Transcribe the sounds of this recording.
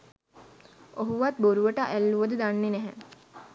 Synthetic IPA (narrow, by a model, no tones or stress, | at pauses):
oɦuʋat̪̚boɾuʋəʈaʔælːuʋəd̪əd̪anːenɛɦɛ